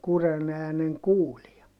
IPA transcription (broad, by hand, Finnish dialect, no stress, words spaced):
kuren æːneŋ kuːliɑ